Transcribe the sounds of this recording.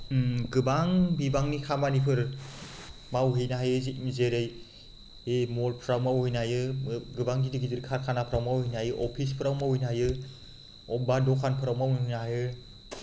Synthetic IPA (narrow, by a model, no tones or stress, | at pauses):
ɡɯbaŋbibaŋnikʰamanipʰɯɾ | mawɦijnaɦajɯzit̚mizeɾɯj | emolpʰɾawmawhɯjnajɯɡɯbaŋɡidiɡidɯɾkʰaɾkʰanapʰɾawmawhijnajɯʔɔpʰispʰɯɾawmawjnaɦajɯ | ɔbadɔkʰanpʰɯɾawmawnaajɯ